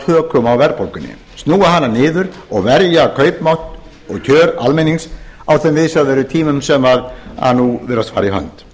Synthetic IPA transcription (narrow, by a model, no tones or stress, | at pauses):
hœːkʰʏmawvɛɾpowlkʏnːɪ̰ | st̪nuːwaɦanːanɪːðʏɾɔɣvɛɾjakʰœːɥpmawht̪ | ɔɣcʰœːɾalmeniŋsawθɛmvɪsaðvɛːɾʏt̪ʰiːmʏmsɛmvaɾa̰nːuvɪːɾast̪faːɾaiɦœ̰nt̪